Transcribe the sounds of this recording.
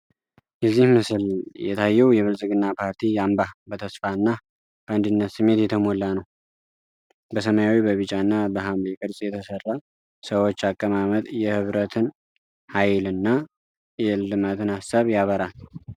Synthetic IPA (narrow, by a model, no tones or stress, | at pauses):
jɛzːihmɨsɨljɛ̰t̪ʰajːɛwjɛβɨlsʼɨɡɨnːapʰaɾt̪ʰijambabət̪ʰəsfaɨnːa | b̥əand̪ɨnːət̪sɨmːe̞t̪jɛt̪ʰəmo̞lːanəw | bəs̬əmajawibəβɨt͡ʃʼanːabəɦambekʼɨɾsʼjɛt̪ʰəsərːa | səwo̞t͡ʃːakʼːəmamət̪ʼjɛhɨβɾət̪ʰɨn | hajlɨnːa | jɛlɨmat̪ʰɨnhasːaβjaβəɾal